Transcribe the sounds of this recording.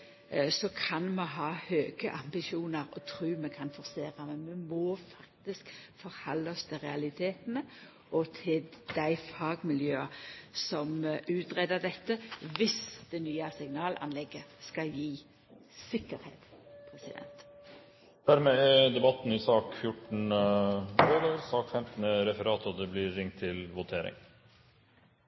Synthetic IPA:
sɔkʰɑnmɛɦɑːhøːɡ̥əʔɑmbɪʃuːnəɾɔt̪ʰɾʉːmɛkʰɑnfɔʁseːɾɑmɛmɛmoːfɑkt̪ɪskfɔɾhɑlːɑst̪ʰəʁɛɑlɪt̪ʰeːt̪nə | ʔɔt̪ʰɪld̪̥æɪfɑːɡmɪljøːɑsɔmʉːt̪ʁɛd̪əd̪ɛt̪ːəʋɪsd̪̥ɛnyːəsɪŋnɑːlʔɑ̰nlɛɡəskɑljiː | sɪkːəɾhḛːt̪pʰɾɛsɪd̪ɛ̰nt̪ | d̪̥æɾmɛɛd̪ɛbɑt̪ːn̩ɪsɑːkfjʊʈːn̩ | ɛlːəɾsɑːkfɛmt̪n̩ɛɾɛfəɾɑːt̪ɔd̪ɛblɪɾɪŋt̪ʰːɪlʋʊt̪ʰeːɾɪ̰ŋ

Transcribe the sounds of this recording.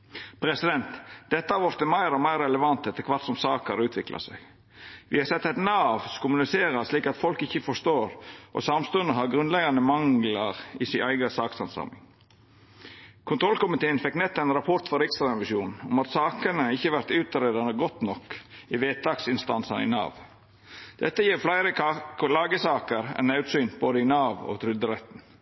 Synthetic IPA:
pʰɾɛsɪd̪ɛnt̪d̪̥ɛt̪ːəhɑɾʋɔɾt̪ɪmæɪɾɔmæɪɾɛləʋɑnt̪ɛt̪ːəkʰʋɑɾt̪sɔmsɑːkəɾʉːt̪ʰʋɪklʔɑ̰sæ̰ɪɡ | ʋɪhɑsɛt̪ːɛɪt̪nɑːʋsɔkʰʊmʉnɪseːɾɑsliːkɑt̪fɔlkɪçəfɔʂt̪oːɾʔɔ̰sɑmst̪ʉnəɦɑɾɡɾʉnd̪lɛɡɑnəmɑŋlɑɾɪsɪʔæɪɡəsɑːksɑnsɑ̰mɪ̰ŋ | kʰʊnt̪ʰɾɔlkʊmɪt̪ʰeːənfɛknɛt̪ːɛnɾɑpʰɔɾt̪fɔɾɪkst̪ɾɑɛnʋɪʃjuːnnʊmɑt̪sɑːkənəɪçːəʋæɾt̪ʉːt̪ɑɾeːd̪ɑnəɡɔt̪nɔkɪʋeːt̪̚d̪ɑksɪnst̪ɑ̰nsɑnɪ̰nɑ̰ːʋ | d̪̥ɛt̪ːəjiːɾflæɪɾəlɑːɡəsɑːkəɾɛ̰nɑʉt̪syːnboːd̪əɪnɑːʋo̰ːt̪ʰɾʏld̪əɾɛt̪n̩

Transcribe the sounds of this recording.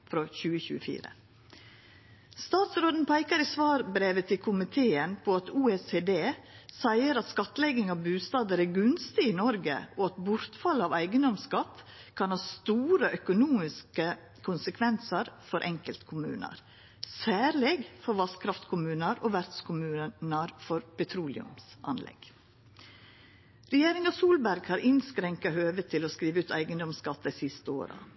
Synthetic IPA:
fɾoçʉːəçʉ̰ːəfḭːɾə̰ | st̪ɑːt̪sɾoːd̪npʰæɪkəɾɪsʋɑːɾbɾeːʋət̪ʰɪlkʰʊmɪt̪ʰeːənpʰɔɑt̪ʰuːeseːd̪eːsæɪəɾɑt̪skɑt̪lɛɡɪŋɑʋbʉːst̪ɑːd̪əɾæːɡʉnst̪ɪɪnɔɾɡə̰ɔɑt̪bʊɾt̪fɑləɑʋæɪɡənd̪ɔmskɑt̪ | kʰɑnhɑːst̪uːɾəʔœkʊnuːmɪskə | kʰʊnsəkʰʋɛnsəɾfɔɾʔɛŋkəlt̪kʰʊmʉ̰ːnə̰ɾ | sæːɾlɛɡfɔɾʋɑskʰɾɑft̪kʰʊmʉːnəɾoːʋæɾt̪skʰʊmʉːnəɾfɔɾpɛt̪ʰɾuːlɪʉ̰msɑ̰nlɛ̰ɡ̥ | ɾɛjeːɾɪŋɑsuːlbæɾɡhɑːɾʔɪnskɾɛŋkɑhøːʋət̪ʰɪlɔskɾiːʋəʉːt̪ʰæ̰ɪɡənd̪ɔmskɑt̪ːɑɪsɪst̪əo̰ːɾɑ̰

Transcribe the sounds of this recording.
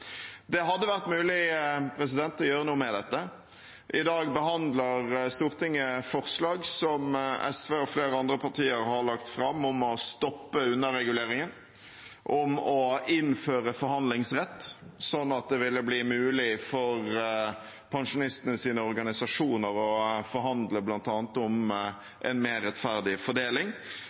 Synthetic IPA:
d̪ɛɦɑd̪ːəʋæʁt̪mʉːlɪpʰɾɛs̬ɪd̪ɛnt̪ɔjøːɾənuːəmɛd̪ɛt̪ːə | ʔɪd̪ɑːɡbəɦɑnd̪ləɾst̪uːʁt̪ɪŋːəfɔʁslɑːɡsɔmɛ̰sʋeːɔfleːɾəɑnd̪ɾəpʰɑt̪ʰiːəɾhɑʁɭɑkt̪fɾɑmːɔmɔst̪ɔpːəʉnːəɾɛɡʉleːɾɪŋən | ʔɔmɔɪnføːɾəfɔɾhɑnd̪lɪŋsʁɛt̪ːsɔnːɑt̪̚d̪ɛʋɪlːəbliːmʉːlɪfɔʁ | pʰɛnʂʊnɪst̪ənəsiːnəɔɾɡɑnɪsɑʂuːnəɾɔfɔɾhɑnd̪ləblɑnt̪ɑːnt̪ɔm | ʔɛnmeːʁːɛt̪fæʁd̪ɪfɔɖ̪eːlɪŋ

